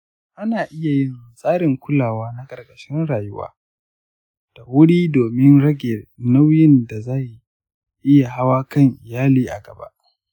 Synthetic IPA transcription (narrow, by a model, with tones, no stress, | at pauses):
ʔa˦naː˨ʔɪ˦ja˨jɪ˦nsʼaː˦ɾɪ˨ŋkʷʊ˦laː˨waː˦na˦kʼɐ˨rɡʼɐ˨ʃɪ˦nɽaː˨jʊ˦wa̰ː˦ | d̥a˨wʊ˦ɽiː˦doː˨mɪ˦nɽɐ˦ɡʲe˨na˦wjɪ˦nda˨zaː˦ji˨ | ʔɪ˦ja˨ɦa˦waː˦kɐ˦˨ŋʔɪ˨jaː˦liː˦ʔa̰˨ɡɐ̰˨ba̰˦ʔ